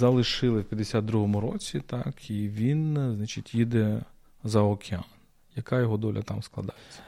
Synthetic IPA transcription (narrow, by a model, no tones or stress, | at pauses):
zɐlˠɪʃɪlˠɪwpʲjɐd̪esʲad̪̚d̪ɾuɦɔmʊɾɔt͡sʲit̪ɑkʰiʋʲinznɑt͡ʃitʲjid̪ɛ | zɐɔkʲʰeɑn | jɐkajɔɦɔd̪ɔlʲʔɐ̰t̪ɑmsklˠɐd̪ɑjet͡sʲːɐ̥